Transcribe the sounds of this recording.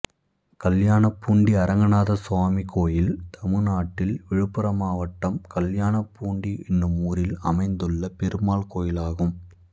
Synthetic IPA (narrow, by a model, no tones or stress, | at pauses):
kɐljaːɳɐpːuːɳɖiɐɾɐŋɡɐnaːðɐswaːmikoːjɪlt̪ʰɐmɯnaːʈːɪlʋɪɻɯpːɯɾɐmaːʋɐʈːɐmkɐljaːɳɐpːuːɳɖiɛnːɯmuːɾɪlɐ̰mɐɪnd̪ɯɭːɐpɛɾɯmaːlkoːjɪlaːɣɯm